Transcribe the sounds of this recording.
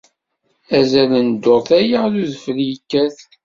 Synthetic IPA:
æzælənd̪ːoɾˤθæjəʁluðfəljəkːæθ

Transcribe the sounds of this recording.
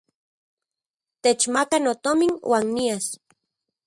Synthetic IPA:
t̪et͡ʃmakanot̪ominwʔaːnːias

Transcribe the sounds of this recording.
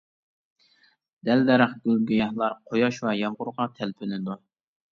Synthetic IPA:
d̪̥ɛld̪ɛɾəχɡʲylɡʲyjɑhlˠɑɾqʰojɑʃwɑjɑmʁʊɾʁɑt̪ʰɛlpʰɪlɪd̪u

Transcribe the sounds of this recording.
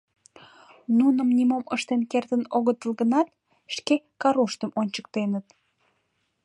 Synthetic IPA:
nunəmnimoməʃt̪enkert̪ənoɣət̪əlɣənɑt̪ | ʃkekɑɾoʃt̪əmonʲt͡ɕək̚t̪enət̪

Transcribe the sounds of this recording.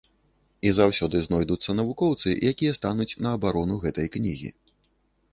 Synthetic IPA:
izawsʲɔd̪ɨznɔjd̪ut̪sːɐnɐvukɔwt̪sɨjʔakʲijɐst̪anut͡sʲnɐːbaɾɔnuɣɛt̪ɐjknʲiɣʲḭ

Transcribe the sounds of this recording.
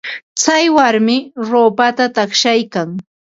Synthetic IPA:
t͡sajwaɾmɪɾoːpat̪at̪ɑχʃajkaŋ

